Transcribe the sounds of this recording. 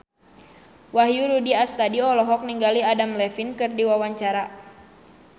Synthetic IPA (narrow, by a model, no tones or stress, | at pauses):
waɦjuɾudiast̪adiɔlɔɦɔk̚niŋɡaliadamlɛfinkɨrdiwawaɲt͡ʃaɾa